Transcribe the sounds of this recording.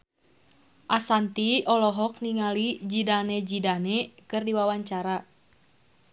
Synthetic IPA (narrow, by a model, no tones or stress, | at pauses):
ʔasant̪iɔlɔɦɔk̚niŋalid͡ʒidanɛd͡ʒidanɛkɨrdiwawaɲt͡ʃaɾa